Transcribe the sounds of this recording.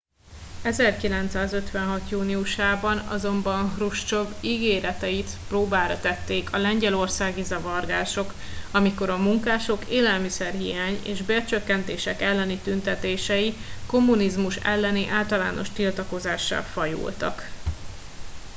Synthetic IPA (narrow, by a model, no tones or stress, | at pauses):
ɛzɛrkilɛn̪t̪saːzøt̪ʋɛnɦɒt̪juːniuʃaːbɒnɒ̰zo̞mbɒnruʃt͡ʃo̞biɡeːɾɛt̪ɛjit̪proːbaːɾɒt̪ɛt̪ːeːkʰɒlɛɲɟɛlo̞rsaːɡizɒvɒrɡaːʃo̞k | ɒmiko̞ɾɒmuŋkaːʃo̞keːlɛlmisɛrɦijaːɲḛːʒbeːrt͡ʃø̞kːɛnt̪eːʃɛkɛlːɛnit̪ynt̪ɛt̪eːʃɛjiko̞mːunizmuʃɛ̰lːɛniʔaːlt̪ɒla̰ːno̞ʃt̪ilt̪ɒko̞zaːʃːɒ̰fɒjṵːlt̪ɒ̰k